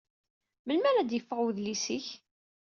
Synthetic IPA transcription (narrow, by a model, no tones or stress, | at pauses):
məlmæɾæd̪jəfːəʁwðlisiç